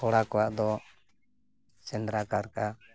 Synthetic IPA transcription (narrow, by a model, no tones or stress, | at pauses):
ɔɽakɔwaʔd̪ɔ | t͡ʃɛnd̪ɾakaɾka